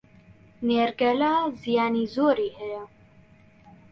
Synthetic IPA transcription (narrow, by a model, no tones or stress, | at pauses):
neːɾɡɛlaːzijaːniːzoːɾiːhɛjɛ